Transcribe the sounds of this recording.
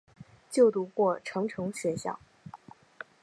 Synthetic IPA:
t͡ɕjo˥˩ʊt̪u˧˥kwɔ˥˩ʈ͡ʂʰɤ˧˥ŋʈ͡ʂʰɤ˧˥ŋɕɥɛ˧˥ɕjɑ̰˥˩ʊ

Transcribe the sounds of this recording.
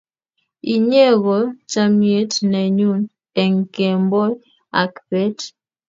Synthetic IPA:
i˨ɲe˦ɣɔ˨t͡ʃa˦mje˦tnɛ˨ɲu˦n | ɛ˨ŋ˨ke˨mbɔ˦ | a˨kpe˦t

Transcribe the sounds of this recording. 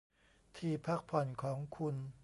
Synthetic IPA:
t̪ʰiː˧pʰa˦˥˩k̚pʰɔ˨˩nkʰɔː˩˦ŋkʰu˧n

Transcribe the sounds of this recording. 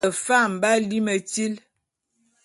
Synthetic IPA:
ə˨fa˦˨m̩˨ba˦li˦mə˨ti˦l

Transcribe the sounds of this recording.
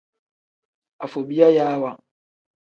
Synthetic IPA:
a˨fo˨bi˦a˦jaː˦wa˦

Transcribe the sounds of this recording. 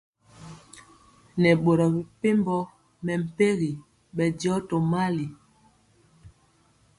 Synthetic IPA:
nɛ˨ɓo˨ɾɔ˨bi˨pe˦mbɔ˦ | mɛ˨m̩˨pe˦ɣi˨ | ɓɛ˨djɔ˦tɔ˨ma˦li˨

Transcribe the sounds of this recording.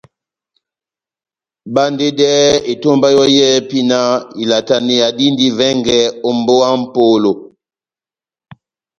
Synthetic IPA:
ba˦nde˦dɛ˦e˨to˦mba˦jɔ˦jɛ˦pi˦na˦i˨la˨ta˨ni˨ja˨di˦ndi˦vɛ˦ŋɡɛ˦o˦mbo˦wa˦m̩˦po˦lo˨

